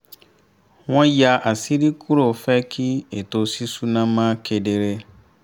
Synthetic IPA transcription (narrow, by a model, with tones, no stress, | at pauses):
wɔ̃˦ja˨ʔa˨si˦ɾi˦kʰu˦ɾo˨fɛ˦kʰi˦e˨to˨si˦su˦nã˦mã˦kʰe˨de˨ɾe˦